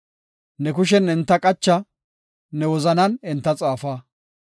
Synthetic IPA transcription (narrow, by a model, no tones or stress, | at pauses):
nɛkʊʃ̬ɛnɪnt̪ːɐkʼɐt͡ʃːɐ | nɛwɔzɐnɐnɪnt̪ːɐt͡sʼaːfaː